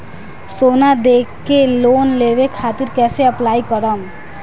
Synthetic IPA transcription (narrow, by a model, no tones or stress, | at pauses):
sonad̪ekːelonlebekʰat̪iɾkɛseəplajkɔɾɔm